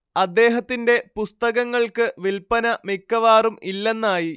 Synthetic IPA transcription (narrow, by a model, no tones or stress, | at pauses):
ɐd̪ːe̞ːɦɐt̪ːinde̞pust̪ɐɣɐŋːɐɭkɨʋilpɐnɐmikːɐʋaːrumilːe̞nːaːji